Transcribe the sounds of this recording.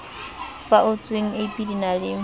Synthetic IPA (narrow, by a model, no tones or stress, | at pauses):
faʔʊt͡sʼweŋ̩eipʼidinalɪ